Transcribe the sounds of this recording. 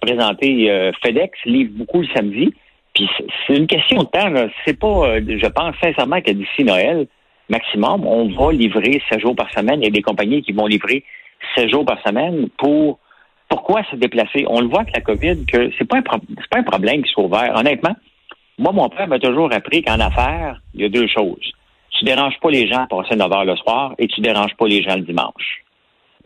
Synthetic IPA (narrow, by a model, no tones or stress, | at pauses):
pʁezɑ̃t̪eøfed̪ɛksliːvbokuləsamd͡z̪i | pissɛynkʲɛst̪jɔ̃d̪ət̪ãlɔsɛpʌʒəpɑ̃ːsːɛ̃sɛʁmãkəd̪isinɔɛl | maksimɔmɔ̰̃vʌlivʁesɛt̪ʒuːʁpaʁsəmɛnjd̪ekɔ̃paɲikʲivɔ̃livʁesɛʒuːʁpaʁsəmɛnpuʁ | pʊʁkwasəd̪eplaseʔɔ̰̃ləvwaɛklakɔvɪd̪̚kʰʲəsɛpʌɛ̃pɔse̥pɑɛ̃pʁɔblɛ̃mkʲi̥swauvɛːʁɔ̰nɛt̪mã | mwamɔ̃pɛːʁmət̪ʊʒuːʁapʁikɑ̃nafɛːʁjʌd̪øːʃɔwz̥ | t̪yd̪eʁɑ̃ʒpʌleʒãapɑːsɪnəvœːʁləswɑːʁet̪yd̪eʁɑ̃ːʒpɔleʒãlədd͡zimɑ̰̃ʃ